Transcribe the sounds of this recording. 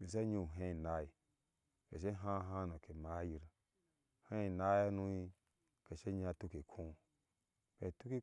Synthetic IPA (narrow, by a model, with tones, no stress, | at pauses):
bi˨sa˦ɲu˧˨ɦẽ˦˨na˦i˨ | kḛ˨ʃ̬e˦ɦã˦ɦã˦no˨ke˨ma˨˦ji˨ɾ | he˦i˨na˦ja˦nu˧˦i˧ | ke˨ʃe˦ɲ˦a˧tu˦ke˨kʰũ˦ | ke˨tu˦ki˦